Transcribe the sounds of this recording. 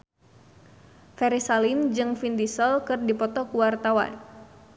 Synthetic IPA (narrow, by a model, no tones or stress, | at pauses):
fɛɾisalind͡ʒɨŋfindisəlkɨrdipɔt̪ɔkuwart̪awa̰n